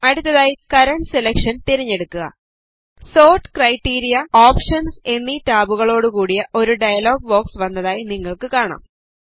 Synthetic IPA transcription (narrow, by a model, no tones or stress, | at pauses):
ɐɽut̪ːɐðaːjikɐɾɐɳʈse̞lekʂɐnt̪iɾiɲːe̞ɽukːuɣɐ̰ | so̞ːrʈɨ̥krɐjʈːiːɾijɐoːpʂɐnse̞nːiʈaːbuɣɐɭo̞ːɽɨkuːɽijɐʔo̞ɾuɖɐjɐlo̞ːɡ̚ʋo̞ːksʋɐnːɐðaːjiniŋːɐɭkɨkaːɳa̰ːm